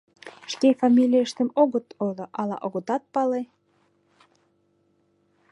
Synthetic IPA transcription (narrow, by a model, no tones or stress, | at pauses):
ʃkefɑmʲilʲiəʃt̪ə̆moɣə̆t̪oloʔɑlɑ̰ʔoɣŏt̪ɑt̪̚pɑle